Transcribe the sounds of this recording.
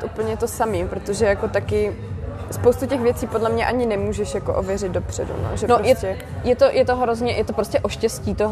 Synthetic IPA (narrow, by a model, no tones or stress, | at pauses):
t̪ʔupl̩ɲɛt̪osamimpɾot̪oʒɛjako̞t̪akɪ | spowst̪ucɛxvjɛt͡siːpo̞dlɛmɲɛʔaɲɪnɛmuːʒɛʃjako̰ʔovjɛrɪd̪̚do̞pr̥ɛ̰dṵno̰ʒɛnoɾjɛɛ | jɛt̪o̞jʔɛt̪oɦɾo̞zɲɛjɛt̪opɾoscɛʔoʃcɛsciːt̪oɦ